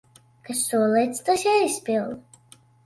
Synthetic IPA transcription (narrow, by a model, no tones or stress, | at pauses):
kassuɔlˠɛjt̪st̪osjaispʲilˠlˠ